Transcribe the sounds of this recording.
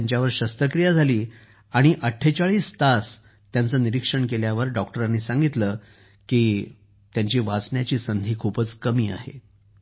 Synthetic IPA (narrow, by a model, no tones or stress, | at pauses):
ɲt͡ɕjaʋəɾɕəst̪əkɾijad͡zʱaliː | aɽ̃iʔəʈʰːet͡ɕaɭiːst̪as | t̪jant͡səːniɾikʂəɳkeljaʋəɾɖɔk̚ʈəɾãnːiːsãŋɡit̪lə | kiː | t̪jaɲt͡ɕiːʋat͡sɳjat͡ɕiːsənd̪ʱiːkʰupət͡skəmiːa̰ɦḛ